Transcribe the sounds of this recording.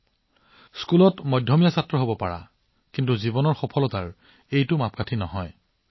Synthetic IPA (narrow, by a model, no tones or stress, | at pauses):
skulɔtmɔjdʱːɔmijasatɹɔɦobɔpa̰ɹa̰ | kintuzibɔnɔɹxɔpʰɔlɔta̰ɹ | ejtʊmap̚ʰkatʰinɔɦɔj